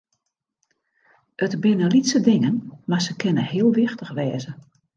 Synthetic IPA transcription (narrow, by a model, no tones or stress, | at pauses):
ətbɪnəlitsədɪŋənmasəkʰɪnəhiəlˠʋɪxtəxʋɛːzə